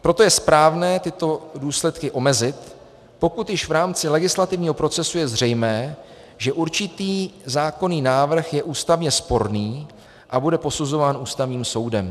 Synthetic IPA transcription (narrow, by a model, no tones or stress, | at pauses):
pɾo̞t̪o̞jɛspɾaːvnɛːt̪ɪt̪o̞duːslɛt̪kɪʔo̞mɛzɪt̪ | po̞kut̪jɪʃvɾaːmt͡sɪlɛɡɪslat̪ɪvɲiːɦo̞pɾo̞t͡sɛsujɛzr̝ɛjmɛː | ʒɛʔuɾt͡ʃɪt̪iːzaːko̞niːnaːvr̩xjɛʔuːst̪avɲɛspo̞ɾniː | ʔabudɛpo̞suzo̞vaːnuːst̪avɲiːmso̞wdɛm